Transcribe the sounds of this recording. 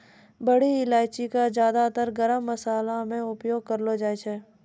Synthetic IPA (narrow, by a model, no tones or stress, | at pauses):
bəɽiɪlaːɪt͡ʃikazjaːd̪at̪əɾɡəɾəmːəsaːlamẽʊpjoːɡ̚kəɾlod͡ʒaːet͡ʃʰɛː